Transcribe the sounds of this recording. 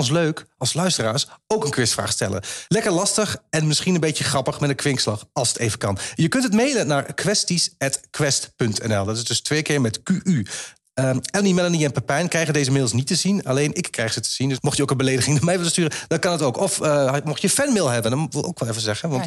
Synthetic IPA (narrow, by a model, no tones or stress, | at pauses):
ɔns̬løɥkɑlˠslœɥstəraːɹsowkənkʋɪstfra̰ːχstɛ̰lə̰lɛkəɹlɑstəχɛnmɪsχinənbejəχrɑpəχmɛdəkʋɪŋkslɑχɑlˠsətejvəkɑnjəkɵntətmejlənaːɹkʋɛstisɛtkʋɛstpɵntʰɛ̰nɛlˠdɑtɪsdɵstʋejkɪːɹmɛtkyʔy | əɛlˠnimɛlaniɛnpapɛjnkrɛjχədejzəmɪːlˠsnitəzinalejnɪkːrɛjχsətə̥z̥indɵsmɔxtjəowkənbəlejdəχɪŋnamɛjʋɪləstyːrəd̥ɑt̚kɑnətowkɔfəmɔχjəfɛnmɪlˠɦɛbənʋɪlˠʔo̰wkʋɛlˠɛfəzɛχənʋɑnt